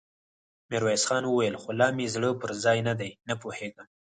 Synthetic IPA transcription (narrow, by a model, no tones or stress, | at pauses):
mɪɾwajsxɑnwəwajəlxolɑmezɽəpəɾzɑjnad̪ajnapoheɡa